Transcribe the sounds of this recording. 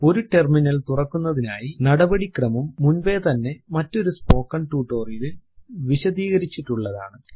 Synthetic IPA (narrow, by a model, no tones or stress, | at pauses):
o̞ɾuʈe̞rminɐlt̪urɐkːunːɐðinaːjinɐɽɐbɐɽikrɐmumːunʋe̞ːt̪ɐnːe̞mɐtːo̞ɾuspo̞ːkːɐɳʈuːʈːo̞ːrijilʋiɕɐðiːɣɐɾit͡ɕːiʈːuɭːɐða̰ːɳɨ